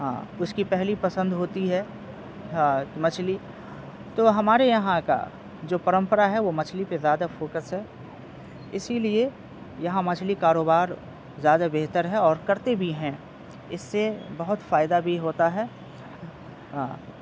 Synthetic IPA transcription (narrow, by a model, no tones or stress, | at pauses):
ɦã̰ːʊskipɛɦlipɐsə̃nd̪ɦoːt̪iɦɛ | ɦmɐt͡ʃʰli | t̪oːɦɐmaːɾejɐɦãka̰ | d͡ʒoːpɐɾə̃mpəɾaɦɛʋomɐt͡ʃʰlipezjaːd̪afoːkəsɦɛː | ɪsilie | jɐɦãmɐt͡ʃʰlikaːɾoːbaːɾ | zjaːd̪abeɦt̪əɾɦɛɔːɾkɐɾt̪ebʱiɦɛ̃ | ɪsːebɐɦʊt̪faːjɪd̪abʱiɦoːt̪aɦɛː | ɦãː